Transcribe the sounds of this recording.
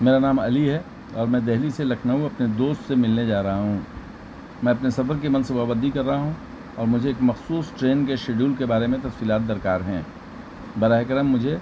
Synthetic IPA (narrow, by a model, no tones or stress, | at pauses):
meːɾanaːmɐ̰liɦɛ | ɔ̰ːɾmɛ̃ːd̪ɛɦliselɐkʰnaɦuɐpned̪oːst̪semɪlned͡ʒaːɾɐɦaɦũː | mɛ̃ːɐpnesɐfəɾkemɐ̃nsebaːbəd̪ʱikɐɾːɐɦaɦũ | ɔːɾmʊd͡ʒʱeeːkmɐxsuːsʈɾeːnkeʃeːɖuːlkebaːɾemẽt̪ɐfsiːlaːt̪̚d̪ɐɾkaːɾɦɛ̃ː | bɐɾaːɦekɾəmːʊd͡ʒʱe